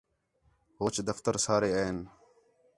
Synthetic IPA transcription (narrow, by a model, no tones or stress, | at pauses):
ɦoːt͡ʃd̪əft̪əɾsaːɾeːeːn